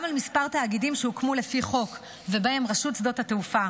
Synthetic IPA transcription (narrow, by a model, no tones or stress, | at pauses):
amalmispaʁt̪aːɡidimʃeukmule̞fiχo̞k | vebae̞mʁaʃutt͡sd̪o̞thateufa